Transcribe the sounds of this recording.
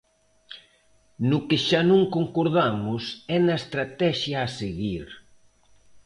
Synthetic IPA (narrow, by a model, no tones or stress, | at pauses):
nʊkɪʃanõŋkoŋkoɾðamʊsɛnɐest̪ɾat̪ɛʃjaːseɣiɾ